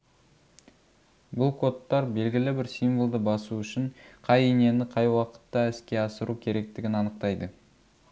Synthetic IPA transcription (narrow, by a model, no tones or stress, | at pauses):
bʊlˠkʰo̞t̪ːɑɾbe̞lɡʲɪlɪbɪɾsijmvəlˠd̪əbɑsuʏʃɪɴqʰɑjene̞nɪqʰɑjwɑqə̥t̪ːɑɪskʲe̞ɑsəɾʔukʲʰe̞ɾe̞k̚t̪ɪɡʲɪnɑnəq̚t̪ɑjd̪ə